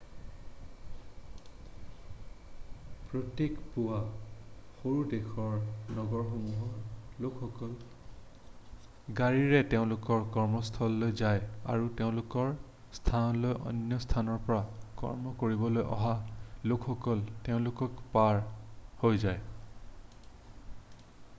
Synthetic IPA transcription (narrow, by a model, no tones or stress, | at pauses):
pɹotekpuwa | xoɹudekʰɔɹnɔɡɔɹxomuɦɔlokʰxɔkɔl | ɡaɹiɹɛteʊ̃lʊkɔɹkɔɹmɔstʰɔlːojzaja̰ɹuteʊ̃lʊkɔɹ | stʰalojʔɔ̰njɔstʰanɔɹpɔɹakɔ̰ɹmɔkoɹibɔlojʔɔ̰ɦalokʰxɔkɔlteʊ̃lʊkɔkpaɹhojzaj